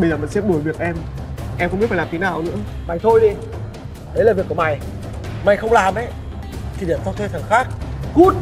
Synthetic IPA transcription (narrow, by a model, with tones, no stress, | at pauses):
ɓə˧jzəː˨˩mə̰˧˨nsɛ˧˥ɗo˧˩˦jvi˨˩ək̚ʔɛ˧mʔɛ˧mxŋ͡mmi˦˥tfaː˨˩lːaː˨˩t̪ʰe˨˦naː˨˩wnɨ̰˧˥əma˨˩jt̪ʰo˧jɗi˧ | ɗə˨˦jlaː˨˩vi˨˩əku˧˩ma˨˩j | ma˨˩jxə˧wŋ͡mlaː˨˩mʔɛ˧˦ | t̪ʰi˨˩ɗḭ˧˨ənsɔ˧t̪ʰe˧t̪ʰə˨˩ŋxaː˦˥k̚ku˦˥t̚